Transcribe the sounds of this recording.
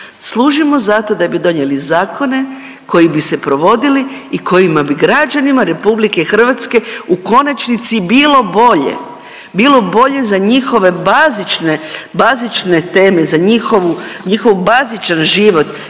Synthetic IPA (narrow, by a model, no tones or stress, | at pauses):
slˠuːʒimo̞zat̪o̞d̪abid̪o̞ɲe̞lizaːko̞ne̞ | ko̞jibise̞pɾo̞ʋo̞d̪iliːko̞jimabiɡɾad͡ʒanimaɾe̞publike̞xr̩ʋat̪ske̞uko̞nat͡ʃnit̪sibilo̞bo̞ʎḛ | bilo̞bo̞ʎe̞zaɲixo̞ʋe̞bazit͡ʃnebazit͡ʃne̞t̪e̞ːme̞zaɲixo̞ʋuɲixo̞ʋbazit͡ʃanʒiʋo̞t̪